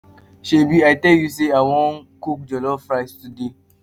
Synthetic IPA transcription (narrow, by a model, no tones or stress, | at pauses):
ʃebiatɛljus̬eawɔ̃nkuk̚d͡ʒɔlɔfɾastude